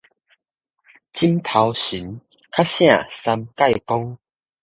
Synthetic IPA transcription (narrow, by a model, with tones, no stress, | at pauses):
t͡ɕʰi˦˥mt̪ʰa˨˧wɕi˨˦n | kʰa˦˥ɕjã˥˨sa˧mka˥˧˨jkɔ˦ŋ